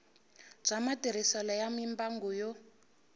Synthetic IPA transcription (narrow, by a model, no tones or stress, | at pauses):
b͡ʐamatiɾisɔlɔjamimbaŋɡujɔ